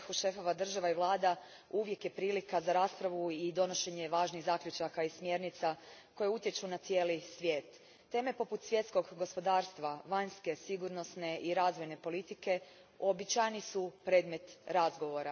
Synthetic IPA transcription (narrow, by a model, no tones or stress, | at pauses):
xuʃe̞fo̞ʋad̪r̩ʒaʋaiʋlˠaːd̪a | uʋje̞kje̞pɾiːlikazaɾaːspɾaʋuid̪o̞no̞ʃe̞ɲe̞ʋaːʒniɣzaːkʎʲut͡ʃakaismje̞ɾnit̪sako̞jeut̪je̞t͡ʃunat̪sije̞ːlisʋje̞ːt̪ː | e̞ːme̞po̞put̪sʋje̞t̪sko̞ɡɡo̞spo̞d̪aːɾst̪ʋaʋaɲske̞siɡuɾno̞sne̞ʔiɾaːzʋo̞jne̞po̞lit̪ike̞ | o̞bit͡ɕajnisupɾe̞ːd̪me̞t̪ɾazɡo̞ʋo̞ɾa